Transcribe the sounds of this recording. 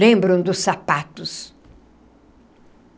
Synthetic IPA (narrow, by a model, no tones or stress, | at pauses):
ẽmbɾõd̪ʊsːapat̪ʊs